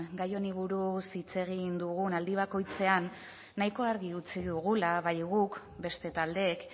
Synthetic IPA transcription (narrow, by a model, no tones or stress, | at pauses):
ɡajo̞niβ̞uɾusit͡se̞ɣ̞ind̪uɣ̞unald̪iβ̞ako̞jt͡se̞anː | ajko̞aɾɣiut͡siðuɣ̞ulaβajɣuk | be̞st̪e̞t̪ald̪e̞k